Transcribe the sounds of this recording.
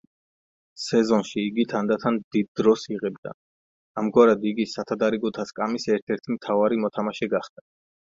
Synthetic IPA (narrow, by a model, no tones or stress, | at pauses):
sɛzɔnʃiːɡit̪ʰand̪at̪ʰand̪id̪ːɾɔsiʁɛbd̪a̰ | amɡwaɾad̪iɡisat̪ʰad̪aɾiɡɔt̪ʰaskʼamisɛɾt̪ʰɛɾt̪ʰimt̪ʰavaɾimɔt̪ʰamaʃɛɡaχd̪̥a